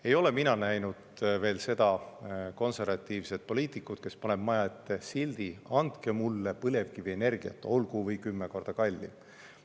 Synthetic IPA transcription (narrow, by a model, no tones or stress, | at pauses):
e̞jo̞le̞minɑnæjnud̪ve̞ːlse̞d̪̥ɑko̞nse̞rvɑt̪ːˑiːvse̞t̪̚po̞lʲiːt̪ːˑikːˑut̪ke̞spɑne̞b̥mɑjɑet̪ːesilʲd̪iɑnd̪̥ke̞mulːepɤle̞vkiviene̞rɡ̥iɑ̰t̪ːˑo̞lɡuvɤjkymːeko̞rd̪̥ɑkɑlʲːḭ